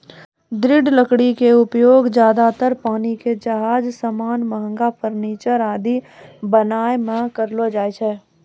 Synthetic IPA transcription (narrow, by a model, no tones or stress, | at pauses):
d̪ɾɪɖləkɽikeʊpjoːɡd͡ʒjaːd̪at̪əɾpaːniked͡ʒɐɦaːd͡ʒsəmaːnməɦə̃ŋɡapʰəɾniːt͡ʃəɾaːd̪i | bənaːemẽkəɾlod͡ʒaːet͡ʃʰɛː